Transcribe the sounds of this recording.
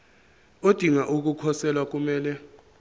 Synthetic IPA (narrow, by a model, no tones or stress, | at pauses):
od̥ʱiŋaʔuk̬ʼukʰɔsɛlwak̬ʼumɛːlɛ